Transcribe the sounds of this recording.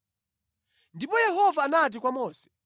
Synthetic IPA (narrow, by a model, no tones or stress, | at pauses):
ndipɔjɛɦɔvaːnat̬ikwamɔːsɛ̥